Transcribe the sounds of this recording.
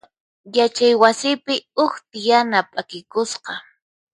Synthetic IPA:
jat͡ʃajwasɪpɪʊxt̪ɪjanapʼakɪkʊsqɑ

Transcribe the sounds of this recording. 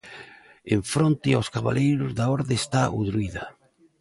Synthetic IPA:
eɱfɾont̪ɪawskaβa̰lejɾʊzðaɔɾðeːst̪aʔuðɾuiðɐ

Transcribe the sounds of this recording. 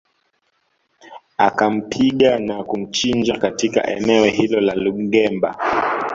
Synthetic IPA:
akam̩pʰiɠanakum̩t͡ʃind͡ʒakatika̰ʔɛ̰nɛɔɦilɔlaluɓ̩ɡɛmba̰

